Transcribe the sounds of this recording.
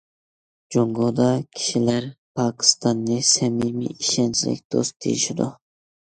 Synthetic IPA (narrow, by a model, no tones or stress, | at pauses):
d͡ʒoŋɡod̪ɑkʲʰi̥ʃilæɾpʰɑːkʲʰi̥st̪ɑnːɨsɛmimḭiʃɛnt͡ʃʰilɪ̰k̚ʲd̪̥o̰st̪d̪̥ʰḛjḭʃid̪ṵ